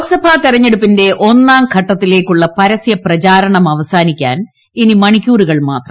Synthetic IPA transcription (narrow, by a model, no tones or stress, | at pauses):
oksɐbʱat̪irɐɲːe̞ɽupːinde̞ʔo̞nːaːmkʰɐʈːɐt̪ːile̞ːkːuɭːɐpɐɾɐsjɐprɐt͡ɕaːɾɐɳɐmɐʋɐsaːnikʲːa̰ːn | inimɐɳikʲːuːruɣɐɭma̰ːt̪rɐm